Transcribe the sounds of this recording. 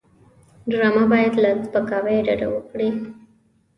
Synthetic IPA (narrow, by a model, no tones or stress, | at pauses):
ɖɾɑmabɑjad̪lazpəkɑwejɖaɖa̰wəkɽi